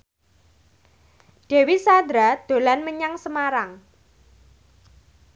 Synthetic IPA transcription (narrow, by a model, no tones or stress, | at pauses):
ɖ̥e̤wisand̪ɾad̪̥o̤lanməɲaŋsəmaɾaŋ